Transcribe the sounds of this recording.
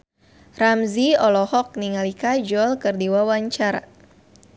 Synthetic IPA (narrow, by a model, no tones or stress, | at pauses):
ramziɔlɔhɔk̚niŋalikad͡ʒɔlkɨrdiwawaɲt͡ʃaɾa̰